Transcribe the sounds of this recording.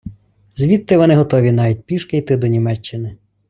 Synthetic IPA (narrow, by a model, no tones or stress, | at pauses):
zʲʋʲit̪ːɪʋɔnɪɦɔt̪ɔʋʲinɑʋʲit̚ʲpʲiʃkɪjt̪ɪd̪ɔnʲimɛt͡ʃːɪnɪ